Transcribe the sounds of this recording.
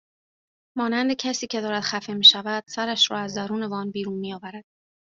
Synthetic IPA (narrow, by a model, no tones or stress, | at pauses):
mɒːnænd̪e̞cʰæsiːcʰe̞d̪ɒːɾæd̪̥xæfe̞miːʃævæd̪̥sæɾæʃɾɒːæzd̪æɾuːne̞vɒːnbiːɾuːnmijɒːvæɾæd̪̥